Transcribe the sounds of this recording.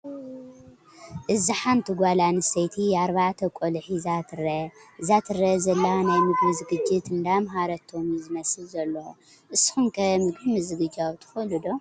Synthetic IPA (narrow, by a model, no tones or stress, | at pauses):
ʔɨziħant̪ʰiɡʷalanɨsɐjt̪ʰijaɾβaʕt̪ʰɐkʼolɨħizat̪ʰɨrɐɨzat̪ʰɨrːɐzɐlːɐanajmɨɡmɨzɨɡɨd͡ʒɪt̪ɨnd̪amɦaɾɐt̪ʰomizɨmɐsɨlzɐlːɐo | ʔɨsɨ̥xumkʰɐmɨɡɾɨmɨzɨɡɨd͡ʒawt̪ʰɨ̥xɐlud̪o